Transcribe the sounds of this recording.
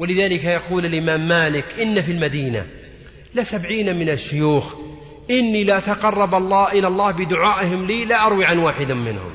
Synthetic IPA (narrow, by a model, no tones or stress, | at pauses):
walɪðaːlɪkajɑquːlalʔɪmaːmːaːlɪkʔɪnːafilmad̪iːna̰ | lɪsabʕiːnamɪnaʃːʊjuːx | ʔɪnːilɪʔat̪aqɑrˤːɑbɑlˤːɑːʔɪlɑlˤːɑːhbɪd̪ʊʕaːʔɪɦɪmliːlaʔɑɾˤwiʕanwaːħɪd̪amɪnhʊ̰m